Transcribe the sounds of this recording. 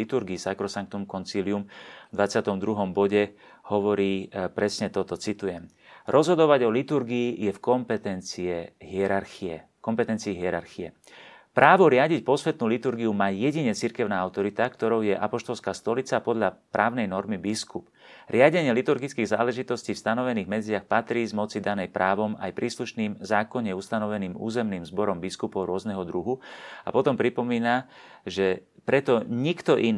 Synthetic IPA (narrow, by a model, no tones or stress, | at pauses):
it̪uɾɡiːsakɾɔsaŋk̚t̪ɔmkɔnt͡siːliumvd̪ʋat͡sɪat̪ɔmd̪ɾuɦɔmbɔɟɛ | hɔʋɔɾiːpɾɛsɲɛt̪ɔt̪ɔt͡sit̪ujɛm | ɾʔɔzɦɔd̪ɔʋaɟɔlit̪uɾɡiːjɛfkɔmpɛt̪ɛnt͡siɛɦɪɛɾaɾxiɛ | kɔmpɛt̪ɛnt͡siːɦɪɛɾa̰ɾxiɛ̰ | pɾʔaːʋɔɾɪaɟicpɔsʋɛt̪nuːlit̪uɾɡiumaːjɛɟiɲɛt͡siɾkɛʊnaːaʊt̪ɔɾit̪akt̪ɔɾɔʊjɛʔapɔʃt̪ɔlskaːst̪ɔlit͡sapɔd̪ʎapɾʔaːʊnɛjnɔɾmibiskup | ɾɪaɟɛɲɪɛlit̪uɾɡit͡skiːɣzaːlɛʒit̪ɔsciːfst̪anɔʋɛniːɣmɛd͡zɪaxpat̪ɾiːzmɔt͡sid̪anɛjpɾʔaːʋɔma̰jpɾiːsluʃniːmzaːkɔɲɛust̪anɔʋɛniːmṵːzɛmniːmzbɔɾɔmbiskupɔʊɾʊɔznɛɦɔd̪ɾuɦua̰pɔt̪ɔmpɾipɔmiːnaʒɛpɾɛt̪ɔɲikt̪ɔʔin